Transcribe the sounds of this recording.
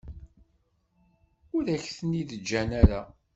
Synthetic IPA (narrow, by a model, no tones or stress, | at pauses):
ʊɾæçθəniðəd͡ʒːænæɾa